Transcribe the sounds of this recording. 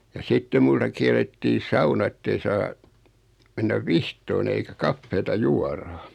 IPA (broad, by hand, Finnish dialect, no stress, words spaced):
jɑ sitːe multɑ kiɛlˑetːiː sɑunɑ ĕtːei sɑː menːæʋ ʋihtoːn eikæ kɑfːeːtɑ juɑrɑ